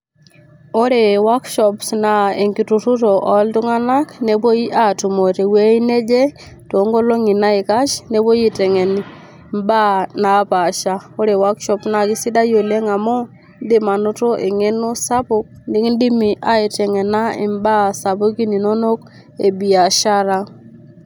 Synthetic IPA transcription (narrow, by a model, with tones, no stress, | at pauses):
o˦ɾe˨wa˦kʃɔ˨psna˨e˨ŋki˨tu˨tu˦to˨ʔɔ˨ltu˦ŋa˦na˦kne˦bo˦i˦ʔa˨tu˨mo˨te˨we˦i˦ne˦d͡ʒe˦ | to˨˦ŋɡo˦lo˦ŋi˨na˦e˨ka˦ʃne˦bo˦ji˦tɛ˨ŋɛ˨n | mba˦na˨pa˨ʃa˦o˦ɾe˨wa˦kʃɔ˦pna˨ki˦si˦da˦jo˨le˦ŋa˨mo˦ | ndi˦ma˨nʊ˦to˦ʔe˨ŋe˦no˦sa˦pʊ˦k̚ndi˦kndi˦mi˨ʔa˨i˨tɛ˨ŋɛ˨na˦ɪ̰˨mba˦sa˨pu˦ki˦ni˨no˦no˦k | ḛ˨bi˨a˨ʃa˦ɾa˦